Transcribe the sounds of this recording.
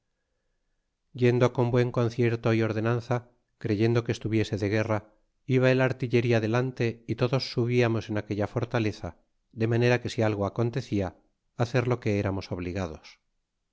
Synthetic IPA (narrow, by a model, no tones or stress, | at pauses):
ɟ͡ʝe̞nd̪o̞ko̞mbwe̞ŋko̞nθje̞ɾt̪o̞io̞ɾðe̞nãnθa | kɾe̞ʝe̞nd̪o̞kest̪uβje̞se̞ðe̞ɣ̞e̞ra | iβaelaɾt̪iʎe̞ɾiaðe̞lant̪e̞it̪o̞ðo̞sːuβiamo̞se̞nake̞ʎafo̞ɾt̪ale̞θa̰ | ðe̞mane̞ɾake̞sialɣo̞ako̞nt̪e̞θiaː | θe̞ɾlo̞ke̞eɾamo̞so̞β̞liɣað̞o̞s